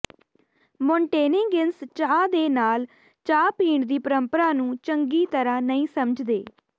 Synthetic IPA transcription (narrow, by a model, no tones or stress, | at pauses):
mɔ̃ːɳʈeːnɪŋɡɪnst͡ʃaːd̪eːnaːl | t͡ʃaːpiːɳd̪iːpəɾəmpəɾaːnũːt͡ʃəŋɡiːt̪əɾãːnəĩːsəməd͡ʒd̪eː